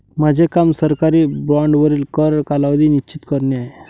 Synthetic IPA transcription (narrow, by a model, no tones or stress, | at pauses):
mad͡ʑʱekamsəɾkaɾiːbɾɔɳɖʋəɾiːlkəɾkalaʋd̪iːnit͡ɕit̪kəɾneaɦe